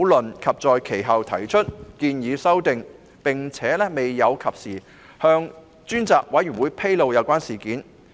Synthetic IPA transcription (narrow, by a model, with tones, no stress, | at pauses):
wlɵ˨˩nkʰɐ˨p̚t͡sɔː˨jkʰe˨˩jɦɐ˨wt̪ʰɐ˨˩jt͡ʃʰɵ˥t̚kiː˧njiː˨˧sɐ˥wt̪ɪ˨ŋ | pɪ˨˩ŋt͡sʰɛː˨˥lɛː˥me˨jːɐ˨˧wkʰɐ˨p̚siː˨˩ | hœː˧ŋ | t͡ʃyː˥nt͡saː˨k̚wɐ˨˥jy˨˩nwuː˨˧˦jpʰe˥jlo˨˧wjɐ˨˧wkʷaː˥nsiː˨˩kiː˨˥n